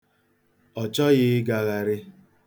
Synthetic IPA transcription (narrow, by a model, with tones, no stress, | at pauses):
ɔ˨t͡ʃɔ˦ɣɪ˦ɡa˨ɣa˨ɾɪ˦